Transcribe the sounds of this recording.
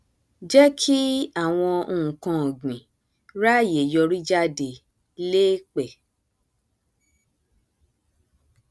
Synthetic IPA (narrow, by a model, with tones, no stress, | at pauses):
d͡ʒɛ˦kʰi˦a˦˨w̃ɔ̃˧ũ˨kã˧˨ɡ͡bĩ˨ | ɾa˦˨je˨jɔ˧ɾi˦d͡ʒa˦de˧ | le˦k͡pɛ˨